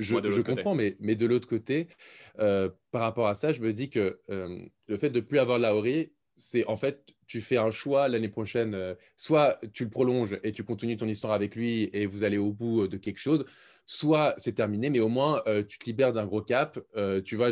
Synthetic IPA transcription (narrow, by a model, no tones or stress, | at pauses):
ʒəʒəkɔ̃pχɑ̃mɛmɛd̪əlot̪χəkot̪eøpaʁːapɔʁasaʒəməd̪ikəøm | ləfɛt̪̚d̪əplyavwaʁlaɔʁi | sɛʔɑ̃fɛt̪ː | yfɛɛ̃ʃwalanepχɔʃɛnø | swat̪yləpχɔlɔ̃ʒet̪ykɔ̃t̪ənyt̪ɔ̃nist̪waʁavɛklɥievuzaleobud̪əkʲɛlkʃoz | swasɛt̪ɛʁminemɛomwɛ̃øt̪y̥t̪əlibɛʁd̪ɛ̃ɡʁokapøt̪yva